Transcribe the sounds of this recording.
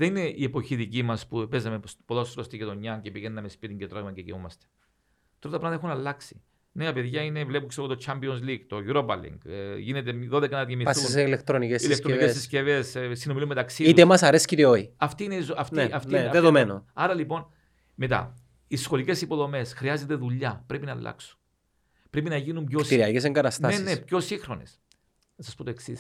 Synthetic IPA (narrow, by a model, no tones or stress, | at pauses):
ðeine̞ʔiepo̞çiðicimɐspupezɐmeospoðosɾost̪icet̪oɲːɐcepiʝennɐmespit̪iŋɟet̪ɾoɣmɐɟeciomɐst̪e̥ | t̪ɾot̪ɐpɾɐðeexunɐlːɐksi̥ | neɐpe̞ðʝɐine̞vle̞pukseɣot̪ot͡ʃʰambionzliɡt̪o̞ʝuɾobɐ̰lḭŋɡʝinet̪eðo̞ðekɐnɐðjemiɐsseilekt̪ɾonicesilekst̪oiesisce̞vessinomilume̞t̪ɐksiit̪emɐsɐɾesciɾioiɐft̪iːneizoɐft̪eɐft̪iɐðeðomenoɐɾɐlipo̞n | met̪ɐ̰ | isxo̞lice̞sipo̞ðo̞me̞sxɾiɐzet̪e̞ðuʎːɐpɾe̞pinɐlːʔɐ̰ksu̥n | pɾe̞pinɐʝinumpjosiɾiɐʝes̬eŋɡɐt̪ɐstnɐnenepço̞sixɾo̞nḛs | nɐsɐspo̞t̪oeksis